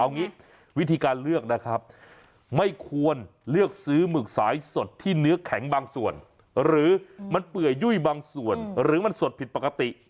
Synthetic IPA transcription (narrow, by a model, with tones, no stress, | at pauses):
a˧wŋiː˦˥ | wi˦˥t̪ʰiː˧kaː˧nlɯ˥˩ək̚na˦˥kʰɾa˦˥p̚ | ma˥˩jkʰu˧ənlɯ˥˩ək̚sɯː˦˥mɯː˨˩k̚saː˩˦jso˨˩t̪ʰːiː˥˩nɯ˦˥ɐkʰɛ˩˦ŋbaː˧ŋsu˨˩ən | ɾɯː˩˦ma˧npɯ˨˩əjːu˥˩jbaː˧ŋsu˨˩ənɾɯː˩˦ma˧nso˨˩t̪̚pʰi˨˩t̪̚pa˨˩ka˧t̪i˨˩ʔ